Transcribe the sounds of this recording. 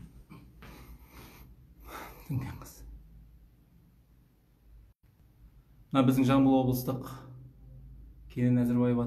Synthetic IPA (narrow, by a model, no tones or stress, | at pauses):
t̪ʰɪŋkʲeɴəz̥ | mənɑbɪzd̪ɪŋʒɑɴbəlˠwo̞blˠəst̪əq | kʲʰe̞nɪnæzɪɾbɑjəpɑ